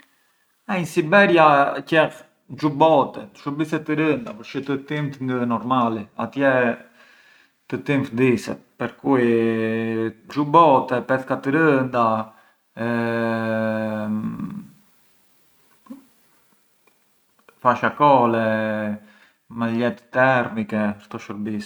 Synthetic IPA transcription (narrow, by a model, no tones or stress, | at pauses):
ainsibɛɾjacɛx | d͡ʒubɔt̪ɛt̪ə̥ʃubisɛt̪ːəɾənd̪apəɾt͡ʃət̪ət̪imt̪ŋɡənɔɾmalia̰t̪jɛ | t̪ət̪imt̪d̪isɛ̰t̪̚pəɾkui | d͡ʒubɔt̪ɛpɛθkat̪əɾənd̪a | ɛ | faʃakɔlɛ | mɛlɛt̪t̪ɛɾmikɛʃt̪ɔʃəɾbis